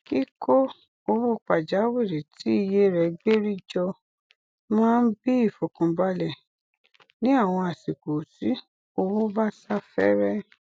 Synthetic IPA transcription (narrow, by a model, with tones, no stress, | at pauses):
ki˦ko˦ | o˧wo˦˨k͡pa˨d͡ʒa˨˦we˦˨ɾe˨ti˨˦i˧je˦˨ɾɛ˧ɡ͡be˦ɾi˦d͡ʒɔ˧ | mãː˦˧n̩˦bi˦i˦˨fo˨kɔ̃˨ba˧˦lɛ˦˨ | nĩ˨˦a˦˨w̃ɔ̃˧a˨si˨ko˨si˨˦ | o˧wo˦ba˦sa˦fɛ̰˦ɾɛ˦